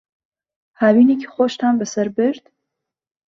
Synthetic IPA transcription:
hawinikʰi̥χoʃt̪ʰambəsəɾbɨɾd̪̥

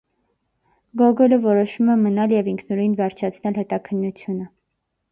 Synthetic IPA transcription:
ɡɔɡɔləvɔɾɔʃumɛmənɑljɛviŋkʰnɔɾinvɛɾt͡ʃʰɑt͡sʰn̪ɛlhɛt̪ɑkʰənːut͡sʰjunə

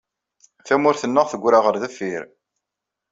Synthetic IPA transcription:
θæmʊɾθənːəʁθəɡʷːɾaʁəɾðəfːiɾ

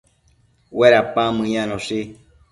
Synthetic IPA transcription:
weɾapamɨ̃ɲãnõʃi

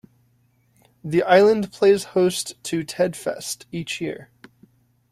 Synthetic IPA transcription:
ðiʔaɪlˠə̃npʰl̥eɪz̥hoʊstʰɨtʰɛd̥fɛ̰stit͡ʃjɪ̰ɹ

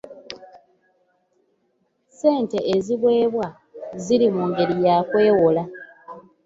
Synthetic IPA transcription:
se̞ːnte̞ʔːziβwe̞ːβwa | ziɾimuːŋɡe̞ɾijakwe̞ːwola

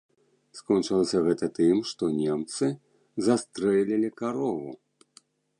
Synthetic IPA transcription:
skɔnt͡ʂɨlˠɐsʲɐɣɛt̪ɐt̪ɨmʂt̪ɔnʲɛmt̪sɨ | zast̪ɾɛlʲilʲikaɾɔvu

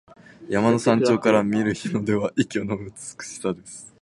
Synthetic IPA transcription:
jamano̞sãɲ̟t͡ɕo̞ːkaɾamʲieɾɯ̟çino̞d̪e̞β̞aʔikʲonoɯt͡sɨ̥t͡sɨ̥kɯ̟̥ɕi̥sad̪e̞sɨ̥

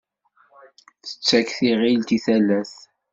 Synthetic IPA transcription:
θə̥t͡sːækθiʁilt̪iθælːæθ

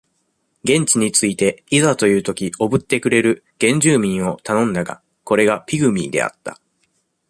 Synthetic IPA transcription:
ɡẽ̞ɲ̟t͡ɕiɲ̟it͡sɨit̪e̞izat̪o̞jɯ̟ːt̪o̞kʲio̞bɯ̟t̪ːe̞kɯ̟ɾe̞ɾɯ̟ | ɡ̥ẽ̞ɲ̟d͡ʑɨːmʲĩɰ̃o̞t̪anõ̞nd̪aɡa̰ | ko̞ɾe̞ɡapʲiɡɯ̟mʲiːd̪e̞̰a̰t̪ːa̰

